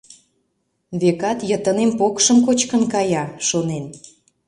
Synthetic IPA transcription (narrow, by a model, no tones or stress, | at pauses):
βekɑt̪jət̪ənempokʃəmkot͡ɕkənkɑjɑʃonen